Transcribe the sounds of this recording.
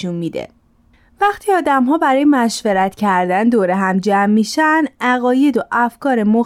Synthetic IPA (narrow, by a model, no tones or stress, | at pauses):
unmid̪ḛ | væχt̪ʰiːɒːd̪æmɦɒːbæɾɒːjemæʃveɾæt̪cʰæɾd̪ænd̪oːɾeɦæmd͡ʒæmːiʃænæɣɒːje̞d̪oʔæfkʰɒːɾemo